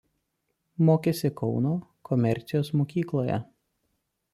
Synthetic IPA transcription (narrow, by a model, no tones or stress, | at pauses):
moːkʲeːsʲɪkʰɒʊnoːkʰɔmʲɛɾʲt̪sʲɪjoːsmoːkʲiːklˠoːjɛ̰